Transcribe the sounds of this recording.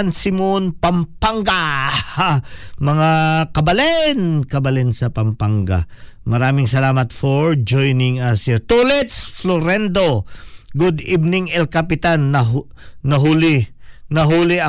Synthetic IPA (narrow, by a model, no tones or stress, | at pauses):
nsɪmonpɐmpaŋɡa | mɐŋakɐbɐlɛnkɐbɐlɛnsɐpɐmpaŋɡa̰mɐɾaːmɪŋsɐlaːmɐt̪foɹd͡ʒojnɪŋɐsɪɹt̪olɛt̪sfloɾɛnd̪oɡʊd̪ibnɪŋɛlkapɪt̪anːɐː | ɐɦʊlɪnɐɦuːlɪɐ